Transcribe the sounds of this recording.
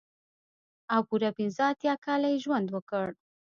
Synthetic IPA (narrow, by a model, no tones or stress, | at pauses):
awpuɾapɪnzəat̪jɑkɑlajeʒwand̪wəkəɽ